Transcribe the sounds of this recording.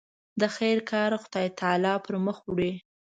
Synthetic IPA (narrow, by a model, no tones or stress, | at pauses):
d̪əxajɾkʰɑɾxʊd̪ɑjt̪ʰɑlɑpəɾməxɽe